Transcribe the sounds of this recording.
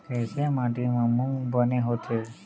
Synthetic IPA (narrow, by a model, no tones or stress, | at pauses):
kesemãʈemãmũbəneɦot̪ʰe